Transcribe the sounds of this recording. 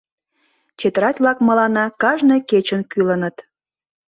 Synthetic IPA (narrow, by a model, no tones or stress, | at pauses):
t͡ɕet̪əɾɑt̪ʲlɑkməlɑnɑkɑʒneket͡ɕənkylənət̪